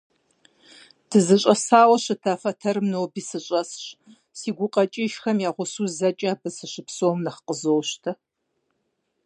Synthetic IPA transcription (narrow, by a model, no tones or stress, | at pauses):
d̥ʰɨzɨɕʼɐsaːwɐɕɨtʰafɐtʰɐrmnowbiːsɨɕʼɐsɕ | siːɡʷʊqʼɐt͡ʃʼiʃxɐmjaːʁʷʊsuːzɐt͡ʃʼɐːbɨsɨʃɨpsoːmnɐχqəzowɕtʰɐ